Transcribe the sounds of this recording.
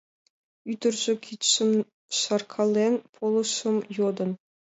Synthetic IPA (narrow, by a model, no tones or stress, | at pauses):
yd̪ɘ̆rʲʒɘ̆kʲʰit̪ʂɘ̆m | ʃɑrkʰɑlʲˠːenʲpʰolˠɤ̆ʃɤ̆mjod̪ɤ̆n